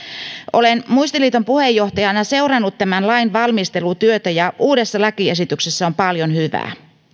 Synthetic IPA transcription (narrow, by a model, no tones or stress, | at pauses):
ʔo̞lenmuist̪iliːt̪o̞mpuhe̞jːo̞ht̪ɑjɑnɑse̞urɑnːut̪ːæmænlɑjnʋɑlmist̪e̞lut̪yøt̪æjɑʔuːde̞sːɑlækie̞sit̪ykse̞sːæo̞mpɑljo̞nhyʋæ̰ː